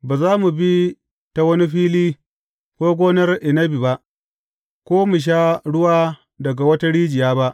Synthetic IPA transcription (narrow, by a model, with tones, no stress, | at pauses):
baː˨zaː˦mu˨bi˦ | ta˨wɐ˦ni˦ɸiː˦liː˦ | kʷoː˦ɡʷoː˦nɐ˦rʔɪ˨nɐ˦bi˨ba˦ʔ | kʷoː˦mu˨ʃ̬aː˦ɽʊ˦waː˦ | dɐ˨ɡa˨wɐ˦ta˦ɽiː˦d͡ʒɪ˨jaː˦ba˦ʔ